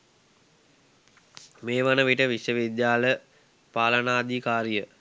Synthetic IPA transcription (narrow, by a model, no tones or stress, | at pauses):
meːʋanəʋiʈəʋiʃjəʋid̪jaːlə | paːlənaːd̪ikaːɾijə